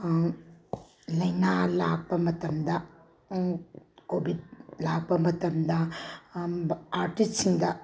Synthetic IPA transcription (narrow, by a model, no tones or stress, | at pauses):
lɐjnalak̚pɐmɐtɐmd̪ɐ | kobʱid̚lak̚bɐmɐtɐmd̪ɐ | aɾʈist̚siŋd̪ɐ